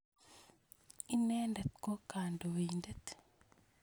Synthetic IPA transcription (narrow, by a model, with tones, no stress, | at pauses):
i˦nɛ˦ndɛ˨t̪̚ko˦ka˨ndo˨winde˦t̪